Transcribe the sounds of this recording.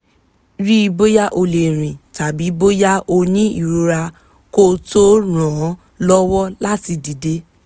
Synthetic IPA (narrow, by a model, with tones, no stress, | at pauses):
ɾi˦i˧bo˦ja˦ʔo˧le˨ɾ̃ĩ˨ta˨bi˨˦bo˦ja˦o˧nĩ˦ḭ˦˨ɾo˧ɾa˧ | ko˦to˦ɾ̃ã˨˦ | lɔ˦wɔ˦la˦ti˧di˨de˦